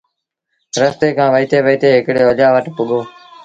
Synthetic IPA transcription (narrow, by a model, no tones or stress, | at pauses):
ɾəst̪eːkʰãːʋəiːt̪eːʋəiːt̪eːɦɪkɽeːəʄaːʋəʈpʊɠoː